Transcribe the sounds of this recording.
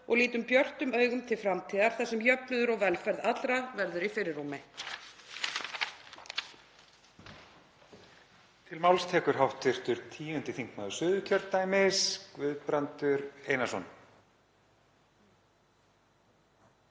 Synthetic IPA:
ɔɣliːt̪ʏmpjœr̥t̪ʏmœːɥɣʏmt̪ʰɪlfɾamt̪ʰiːðaɾ̥θɛsɛmjœpnʏðʏɾɔɣvɛlfɛɾðat̪lɾavɛɾðʏɾifɪɾɪɾːumɪ | t̪ʰɪlmawlst̪ʰɛːkʏɾ̥ɦawht̪ʰɪr̥t̪ʏɾ̥t̪ʰiːʏnt̪ɪθiŋkmaːðʏ̥sʏːðʏcʰœɾt̪̚naːjmɪskvʏðpɾant̪ʏɾeːjnasɔn

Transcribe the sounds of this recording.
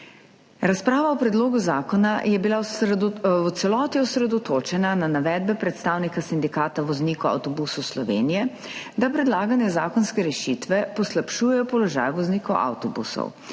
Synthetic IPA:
ɾaspɾaːʋaɔpɾɛd̪loːɡuzaːkɔnajɛbila | t̪sɛlɔːt̪iɔsɾɛd̪ɔt̪oːt͡ʃɛnananaʋɛːd̪̚bɛpɾɛt̪st̪awnikasind̪ikaːt̪aʋɔzniːkɔwa̰wt̪ɔbusɔwslɔʋḛːnijɛ | d̪apɾɛd̪laːɡanjɛzaːkɔnskɛɾɛʃit̪ʋɛpɔslapʃuːjɛjɔpɔlɔʒa̰ːjʋɔzniːkɔwʔa̰wt̪ɔbṵsɔ̰w

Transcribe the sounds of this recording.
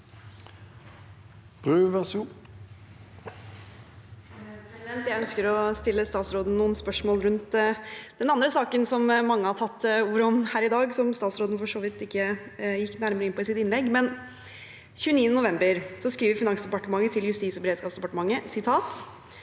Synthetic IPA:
b̥ʁʉʋɛsu | pʰɾɛsɪd̪ɛnt̪jæɪœnskəɾɔst̪ɪlːəst̪ɑːt̪sɾoːd̪n̩nuːənspœʂmoːlɾʉnt̪d̪̥ɛnɑnd̪ɾəsɑːkənsɔmmɑŋːəhɑʈʰɑt̪ːuːɾəɔmhæːɾɪd̪ɑːɡsɔmst̪ɑːt̪sɾoːd̪n̩fɔʂoːʋɪt̪ːɪkːəjɪkːnæɾməɾəɪnpʰɔɪsɪt̪ɪnlɛɡːmɛn | çʉːniːənənʊʋɛmbəɾsɔskɾiːʋəɾfɪnɑŋsd̪ɛpɑʈəmɑŋːət̪ʰɪljʉst̪iːt̪sɔbɛɾeːd̪skɑːpsd̪ɛpɑʈəmɑŋːəsɪt̪ʰɑːt̪

